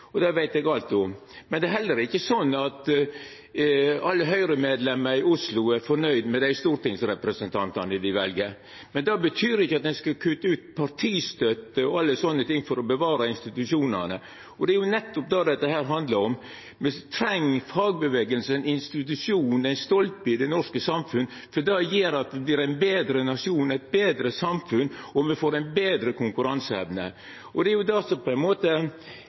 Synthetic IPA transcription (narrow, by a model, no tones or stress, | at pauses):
ɔd̪ɛʋæɪt̪ɛɡɑlt̪ɔ | mɛnd̪ɛæɦɛlːəɾɪçːəsɔnːɑt̪ | ɑlːəɦœʏɾəmeːd̪lɛməɾɪʊslʊæɾfɔnœʏd̪mɛd̪æɪst̪uːɾt̪ɪŋsɾɛpɾəsənt̪ʰɑnt̪ɑnəɪd̪ɪʋɛlɡə | mɛnd̪ɑbət̪ʰyːɾɪçːəɑt̪̚d̪ɛnskɑkʰʉt̪ːəʉːt̪̚pʰɑɾtʰiːst̪œt̪əɔɑlːəsɔnːət̪ʰɪŋːfɔɾɔbəʋɑːɾɑɪnst̪ɪt̪ʉʂuːnənə | ɔd̪ɛæɾjʊnɛt̪ːɔp̚d̪ɑd̪ɛt̪ːəɦæːɾɦɑnd̪lɑɾɔm | mɛt̪ʰɾɛŋːfɑːɡ̚bəʋeːɡəlsəɛnɪnst̪ɪt̪̬ʉʂjuːnɛɪnst̪ɔlp̪̚pɪd̪ɛnɔʂkəsɑmfʉn | fɔd̪ɑjeːɾɑt̪ʋɛbliːɾæɪnbeːd̪ɾənɑʂɪuːnæɪt̪̚beːd̪ɾəsɑmfʉnːɔmɛfoːɾɛɪnbeːd̪ɾəkʰʊŋkʉɾɑnsəɛ̰ʋnə̰ | ɔd̪ɛæɾjʊd̪ɑsɔpʰɔɛnmoːt̪ə